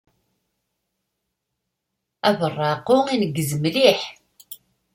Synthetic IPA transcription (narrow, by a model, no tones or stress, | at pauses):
ævərˤːɑqːʊinəɡːəzəmliħ